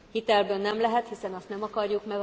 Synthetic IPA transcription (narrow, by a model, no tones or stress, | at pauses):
hit̪ɛlbøːnːɛmlɛɦɛt̪hisɛnɒst̪nɛmɒkɒrjukmɛ